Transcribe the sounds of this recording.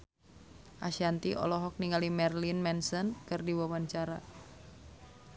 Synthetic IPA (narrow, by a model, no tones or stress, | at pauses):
ʔa̰ʃant̪iʔɔ̰lɔɦɔk̚niŋalimɛrlinmɛnsənkɨrdiwawaɲt͡ʃaɾa̰